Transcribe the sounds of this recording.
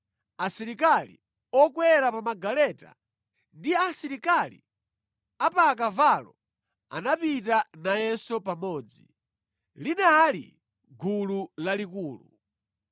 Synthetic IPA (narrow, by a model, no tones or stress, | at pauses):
asiɾikalḭ | ɔkwɛɾapamaɡalɛta̰ | ndiasiɾikalḭ | apak̬avalɔ | a̰napitanajɛsɔpamɔːd͡zi | linaːlḭ | ɡululalikuːlṵ